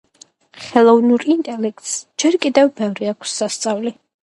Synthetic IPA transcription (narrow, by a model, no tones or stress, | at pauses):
χɛlˠɔvnuɾint̪ʼɛlɛk̚ʰt̪ʼsd͡ʒɛɾkʼid̪ɛvbɛvɾiakʰsːast̪sʼavli